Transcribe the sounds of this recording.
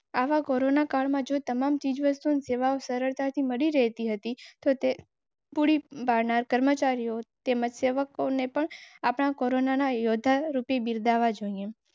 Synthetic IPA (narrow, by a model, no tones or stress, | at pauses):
aʋakoɾonakaɭmãd͡ʒot̪əmamt͡ʃid͡ʒʋəst̪unseʋaosəɾəɭt̪at̪ʰiməɽiɾəɦt̪iɦət̪it̪ot̪e | puɽibaɾnaɾkəɾmət͡ʃaɾijot̪eməd͡ʒseʋəkonepəɳapɳ̃akoɾonanajod̪ʱːaɾupebiɾd̪aʋad͡ʒoie